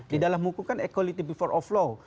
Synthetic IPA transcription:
didalamukukanɛkwalit̪ibifɔɾʔɔflo

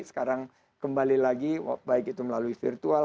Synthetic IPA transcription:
sə̥kaɾaŋ | kəmbalilaɡḭbaɪkit̪uməlaluifḭrt̪ua

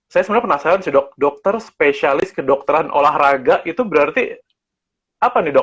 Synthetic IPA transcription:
sajasəməɾaapənasalansidɔk̚dɔk̚t̪ərspesialɪskədɔk̚t̪əɾanʔo̰lahraɡaʔit̪ubəɾart̪i | apanidɔ

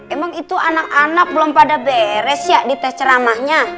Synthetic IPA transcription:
emaŋit̪uanak̚anak̚blɔmpadabeɾɛsjaʔdit̪ɛht͡ʃəɾamahɲa

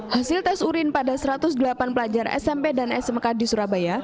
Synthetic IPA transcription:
hasɪlt̪ɛsuɾɪnpadasəɾat̪ʊsdəlapanpəlad͡ʒarɛ̰sɛmpedanɛsɛmkadisuɾabaja

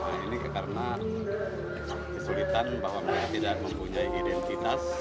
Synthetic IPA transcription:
a̰inikarəna | kəsulit̪anbawamakat̪idak̚məmpuɲaiʔidɛnt̪it̪as

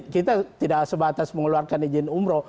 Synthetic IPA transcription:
kit̪at̪idasəbat̪asməŋəluarkanid͡ʒɪnumɾɔ

